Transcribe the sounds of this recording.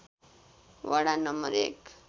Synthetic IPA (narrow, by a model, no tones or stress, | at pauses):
ʋaɽanʌmːə̰ɾḛk